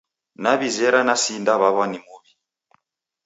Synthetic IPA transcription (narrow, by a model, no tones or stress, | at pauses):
naβizɛɾanasindaβaβanimuβi